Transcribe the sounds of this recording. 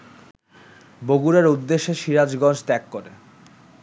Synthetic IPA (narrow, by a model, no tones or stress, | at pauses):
boɡuɾeɾud̪ːeʃːeʃiɾad͡ʑɡɔnd͡ʑt̪ɛkːoɾe